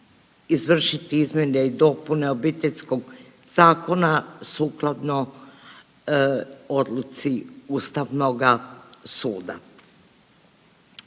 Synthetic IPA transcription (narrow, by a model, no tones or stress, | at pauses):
izʋr̩ʃit̪iizmʲjenjeid̪o̞pune̞o̞bit̪eʎʲsko̞ɡ | z̥aːko̞nasuːklˠad̪no | o̞d̪lˠut̪siuːst̪aʋnoɡasuːd̪a̰